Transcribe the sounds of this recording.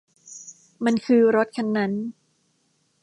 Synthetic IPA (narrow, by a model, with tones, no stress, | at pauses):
ma˧nkʰɯː˧ɾo˦˥t̪̚kʰa˧nːa˦˥n